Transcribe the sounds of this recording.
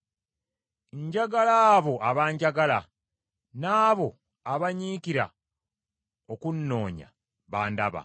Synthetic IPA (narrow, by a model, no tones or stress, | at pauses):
ɲɟaɡalaːβo̞aβaːɲɟaɡala | naːβo̞ | aβaɲiːkiɾa̰ | okunːo̞ːɲa̰ | βaːndaβa̰